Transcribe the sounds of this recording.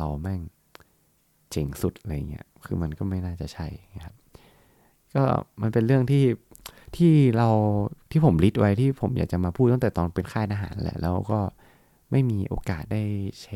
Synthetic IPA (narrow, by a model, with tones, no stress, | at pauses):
la˧wmɛ˥˩ŋ | t͡ɕe˨˩˦ŋsu˨˩t̪̚ʔa˧ɾa˧jːa˨˩ŋːi˦˥ɐkʰɯː˧ma˧nkɔː˥˩ma˥˩jnaː˥˩t͡ɕa˨˩t͡ɕʰa˥˩jkʰa˦˥p̚ | kɔː˥˩ma˧npe˧nɾɯ˥˩əŋt̪ʰiː˥˩t̪ʰiː˥˩ɾa˧wt̪ʰiː˥˩pʰo˩˦mli˦˥t̪̚wʔa˦˥jt̪ʰiː˥˩pʰo˨˩˦mjaː˨˩k̚t͡ɕa˨˩maː˧pʰuː˥˩t̪ːt̪ɛ˨˩t̪ɔː˧npe˧nkʰaː˥˩t̪̚ʔaː˧ɦaː˩˦nlɛ̰˧˥ʔlɛː˦˥wkɔː˥˩ | ma˥˩jmiː˧ʔo̰ː˧kaː˨˩t̪̚daː˥˩jt͡ɕʰe˦˥